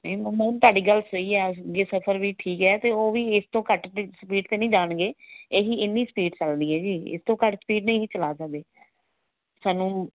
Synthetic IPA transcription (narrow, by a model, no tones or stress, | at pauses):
nimũːnt̪waːɖiːɡəlsəiːɛːd͡ʒeːsəpʰəɾʋiːʈʰiːkɛːt̪eːoːʋiːɪst̪õːkəʈ̪ːsəpiːʈt̪eːnəĩːd͡ʒaːɳɡeːeːɦiːɪnːiːsəpiːʈt͡ʃəld̪iːɛːd͡ʒiːɪ̰st̪õːkəʈsə̥piːʈnəĩːiːt͡ʃəlaːsək̚d̪eː | saːnːũː